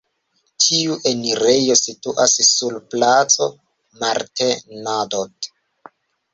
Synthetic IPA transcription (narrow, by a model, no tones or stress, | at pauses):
tʰiuʔeniɾejo̞situʔassulplat͡so̞̰ | maɾtenadod